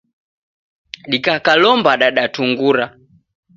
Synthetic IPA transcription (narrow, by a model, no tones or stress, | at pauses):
ɗikakalɔmbaɗaɗatuŋɡuɾa